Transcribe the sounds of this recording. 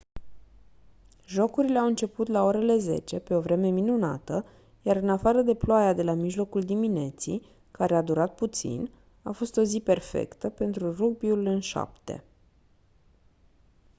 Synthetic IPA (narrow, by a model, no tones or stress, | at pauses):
ʒo̞kuɾile̞awɨnt͡ʃe̞put̪lao̞ɾe̞le̞ze̞̰t͡ʃe̞pe̞o̞vɾe̞me̞minuna̰t̪ə | jaɾɨnafaɾəd̪e̞ploajad̪e̞lamiʒlo̞kuld̪imine̞t̪sḭ | kaɾe̞ad̪uɾat̪̚put̪sḭn | afo̞st̪o̞zipe̞rfḛkt̪əpe̞nt̪ɾuruɡ̚biulɨnʃa̰pt̪e̞̰